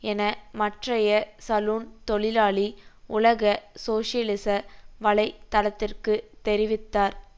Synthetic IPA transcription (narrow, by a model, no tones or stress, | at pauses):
ɛnɐmɐʈrɐjɐsɐluːnt̪ɔɭɪlaːɭiʊɭɐɣɐsoːʂɪɐlɪsɐʋɐɭɐɪt̪ːɐlɐt̪ːɪrkɯt̪ɛɾɪʋɪt̪ːaːɾ